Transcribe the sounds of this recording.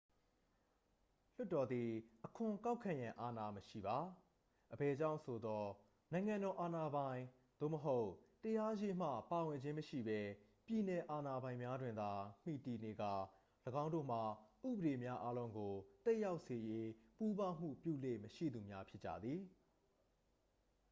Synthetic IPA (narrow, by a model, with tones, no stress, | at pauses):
l̥ʊ˦tːɔ˨d̪ði˨ʔəkʰʊ̃˨ka˦ʊkʰã˨jã˨ʔa˨na˨məʃḭ˦˨ba˨ | ʔəbɛ˨d͡ʑã˦˨ʊ̃sʰo˨d̪ɔ˦ | nã˨ɪ̃ŋã˨ndɔ˨ʔa˨na˨bã˨ɪ̃ | d̪̥o̰˦˨məɦo˦ʊtəja˦je˦m̥ä̰˦˨pa˨wɪ̃˨ɲd͡ʑɪ̃˦məʃḭ˦˨bɛ˦ | pji˨nɛ˨ʔa˨na˨bã˨ɪ̃mja˦dwɪ̃˨nd̪a˨m̥ḭ˦˨ti˨ne˨ɡa̰˦˨ | ləɡã˦ʊ̃ndo̰˦˨m̥a˨ʔṵ˦˨bə˨ɾe˨mja˦ʔa˦lõ˦ʊ̃ŋɡo˨t̪ɛ˦ʔja˦ʊʔse˨je˦pu˦bã˦m̥ṵ˦˨pjṵ˦˨lḛ˦˨məʃḭ˦˨d̪u˨mja˦pʰjɪ˦t͡ɕːä̰˦˨d̪ði˨